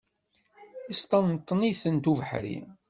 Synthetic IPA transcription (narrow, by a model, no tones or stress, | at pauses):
ist̪ˤɑnːt̪ˤːniθənt̪uvəħɾḭ